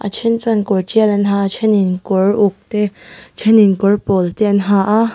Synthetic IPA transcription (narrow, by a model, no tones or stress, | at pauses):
ʔa̰t͡ʃʰint͡sankut͡ʃiəlɛnɦaːt͡ʃʰininkuɹʔʊk̚t̪et͡ʃʰɛninkurpolt̪iənɦaʔa